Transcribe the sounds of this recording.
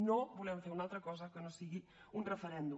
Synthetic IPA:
nobulɛmfeɾunalˠt̪ɾɐkɔzɐkənosiɣi | unrəfəɾɛnd̪u

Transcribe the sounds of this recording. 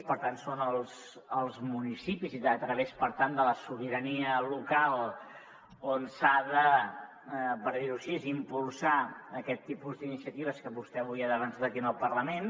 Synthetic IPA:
pəɾt̪ansonəlˠz | əlˠzmunisipiziðət̪ɾəβespəɾt̪and̪ələsuβiɾəniəlukalˠ | onsaðə | pəɾðiɾusiezimpulˠsaːkɛt̪ːipuzd̪inisiət̪iβ̞əskəβust̪ɛβuiəðəβənsaðəkiənəlˠpərləmen

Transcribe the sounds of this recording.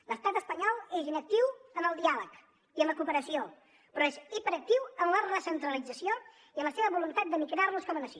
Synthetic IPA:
ləst̪at̪əspəɲɔlˠezinək̚t̪iwəməlˠd̪ialək | iəmləkuːpəɾəsio | pɾɔesipəɾək̚t̪iwəmlərəsənt̪ɾəlid͡zəsio | iəmləseβəβulunt̪at̪̚d̪əmikɾarluskɔmənəsi

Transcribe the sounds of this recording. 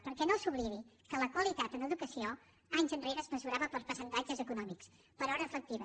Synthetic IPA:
pəɾkɛnosuβliβikələkwəlit̪at̪ənəðukəsio | aɲzənreɾəzməzuɾaβəpəlˠspəsənt̪ad͡ʒəzəkunɔmiks | pəɾɔɾəːfək̚t̪iβə

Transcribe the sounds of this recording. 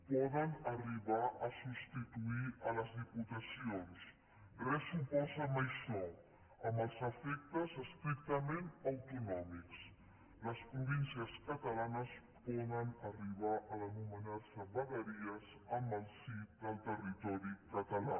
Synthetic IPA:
pɔðənəriβaʔəsust̪it̪uiələzðiput̪əsions | rəsupɔzəməjʃɔ | əməlˠzəfɛk̚t̪əzəst̪ɾik̚t̪əmenəwt̪unɔmiks | ləspɾuβinsiəskət̪əlanəs | pɔðənəriβaʔələnumənaɾsəβəɣəɾiəz | əmbəlˠsit̪̚d̪əlˠt̪ərit̪ɔɾikət̪əla̰

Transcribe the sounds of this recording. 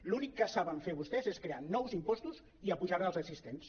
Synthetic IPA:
lunikːəsaβəɱfeɾβust̪ɛzeskɾeanɔwzimpɔst̪uz | iəpuʒaɾəlzəsist̪ens

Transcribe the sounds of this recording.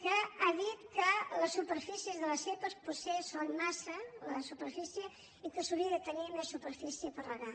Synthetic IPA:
kəaðit̪̚kələsːupəɾfisiəzðələsepəspusesonmasələsupəɾfisjə | ikəsuβiəðət̪ənimesːupəɾfisijəpəɾləða

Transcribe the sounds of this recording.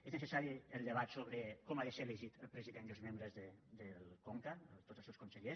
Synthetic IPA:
eznəsəsaɾiəlˠd̪əβat̪soβɾəkɔmaðəseləʒit̪əlˠpɾəziðenəlzmembɾəzðəd̪əlˠkoŋkəət̪ot̪əlˠsewskunsəʎes

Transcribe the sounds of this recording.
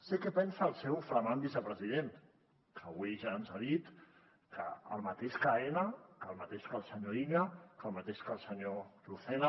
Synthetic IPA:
sikɛpɛnsaːlˠsɛwfɾəmambisəpɾəzið̞en | kʰəβwiʒaːnzaðit̪ | kʰə̰ːlˠmat̪eʃkaenakəlˠmat̪eʃkəlˠsəɲoiɲakəlmat̪eʃkəlˠsəɲoluθɛna

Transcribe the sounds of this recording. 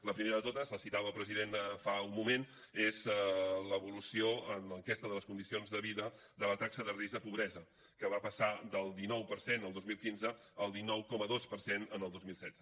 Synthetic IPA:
ləpɾimeɾəðət̪ot̪əzləsit̪aβəpɾəziðenfaumːumen | ezləβulusioənləŋkɛst̪əðələskund̪isionzðəβiðə | d̪ðələt̪aksəðərizðəpuβɾɛzə | kəβapəsad̪əlˠd̪inɔwpəɾsenəlˠd̪ozmilˠkinzəː | lˠd̪inɔwkɔməðospəɾsenənəlˠd̪ozmilˠsɛd̪d͡z̥ə

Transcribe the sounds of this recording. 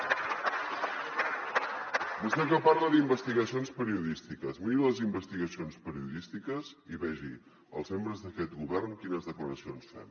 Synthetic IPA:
bust̪ɛkəparləðimbəst̪iɣəsionspəɾiuðist̪ikəzmiɾiləzimbəst̪iɣəsionspəɾiuðist̪ikəziβɛʒḭ | ə̰lˠzmembɾəzðəkɛt̪ɣuβɛrnkinəzðəkləɾəsionsfḛn

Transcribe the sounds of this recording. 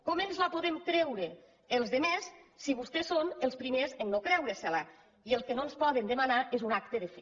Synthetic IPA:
kɔmenzlapoðemkɾɛwɾe | elˠzðemesːiβ̞ust̪esonelˠspɾimezennokɾɛwɾesala | ielˠskenonspɔðend̪əmanaʔezunak̚t̪əðefe

